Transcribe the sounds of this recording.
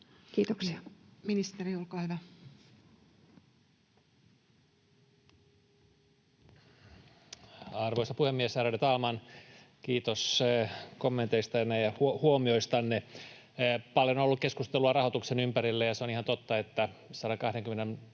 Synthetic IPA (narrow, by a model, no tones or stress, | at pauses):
kiːt̪oksiɑminist̪eriolkɑːhyʋæ | ɑrʋoisɑpuhemːiesærædet̪ɑːmɑn | kiːt̪os | komːent̪eist̪ɑnːejɑhuohuomioist̪ɑnːe | pɑljonolːukkeskust̪eluɑrɑhot̪uksenympæɾilːejɑseonihɑnt̪ot̪ːɑet̪ːæsɑɾɑkɑhdeŋkymːenen